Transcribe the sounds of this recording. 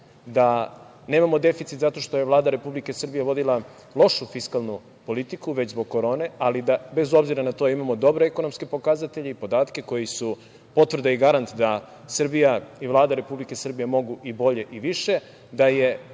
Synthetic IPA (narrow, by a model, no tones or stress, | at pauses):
d̪a | ne̞ːmamo̞d̪e̞fit̪sit̪zat̪o̞ʃt̪o̞jeʋlˠaːd̪aɾe̞publikesr̩bije̞ʋo̞d̪ila | lˠo̞ʃufiskalˠnu | po̞lit̪ikuʋet͡ɕzbo̞ɡ̚koɾo̞ːne̞alid̪abe̞zo̞bziɾanat̪o̞imamo̞d̪o̞bɾoekonomske̞po̞kazat̪e̞ʎeipo̞d̪aːt̪ke̞ko̞jisu | po̞t̪vr̩d̪aiɡaɾant̪d̪a | sr̩bijaiʋlˠaːd̪aɾe̞publike̞sr̩bijemo̞ɡuʔibo̞ʎe̞ʔiʋiʃe̞ | d̪aje̞